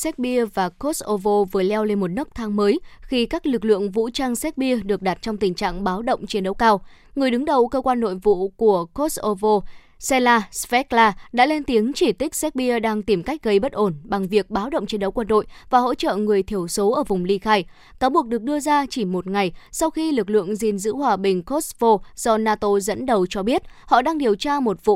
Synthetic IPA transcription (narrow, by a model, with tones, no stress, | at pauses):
sɛ˦˥t̚ɓi˧əvaː˨˩ko˦˥sʔo˧vo˧vɨ˨˩əlɛ˧wle˧nmo˨˩t̚nɨ˦˥k̚t̪ʰaː˧ŋməː˨˦jxi˧kaː˦˥k̚lɨ˨˩k̬̚lɨ̰˧˨əŋvṵ˧˥t͡ɕaː˧ŋsɛ˦˥t̚ɓi˧əɗɨ˨˩ək̚ɗa˨˩t̚t͡ɕɔ˧wŋ͡mt̪ï˨˩ŋ̟t͡ɕa̰ː˧˨ŋɓaː˨˦wɗə̰˧˨wŋ͡mt͡ɕi˨ənɗə˨˦wkaː˧w | ŋɨ˨˩əjɗɨ˨˦ŋɗə˨˩wkəː˧kwaː˧nːo̰˧˨jvṵ˧˨ku˧˩əko˦˥sʔo˧vo˧ | sɛ˧laː˧svɛ˦˥k̚laː˧ɗa̰ː˧˥lɛ˧nt̪i˨˦əŋt͡ɕi˧˩t̪ï˦˥k̟̚sɛ˦˥t̚ɓi˧əɗaː˧ŋt̪i˨˩mka˦˥jk̟̚ɣə˧jɓə˦˥t̚ʔo˧˩nɓa˨˩ŋvi˨˩ək̚ɓaː˨˦wɗə̰˧˨wŋ͡mt͡ɕi˨˧˦nɗə˨˦wkwə˧nɗo̰˧˨jvaː˨˩ɦo̰˧˥t͡ɕə̰ː˧˨ŋɨ˨˩əjt̪ʰi˧˩əwso˨˦ʔəː˧˩vʊ˨˩ŋ͡mli˧xaː˧j | kaː˨˦wɓu˨˩ək̚ɗɨ˨˩ək̚ɗɨ˧əzaː˧t͡ɕi˧˩mo˨˩t̚ŋa˨˩jsa˧wxi˧lɨ˨˩k̬̚lɨ̰˧˨əŋzi˨˩nzɨ̰˧˥hwaː˧ɓï˨˩ŋ̟ko˦˥svo˧z̥ɔ˧naː˧t̪o˧zə̰˧˥nɗə˨˩wt͡ɕɔ˧ɓi˦˥ət̚hɔ̰˧˨ɗaː˧ŋɗi˨˩əwt͡ɕaː˧mo˨˩t̚vṵ˧˨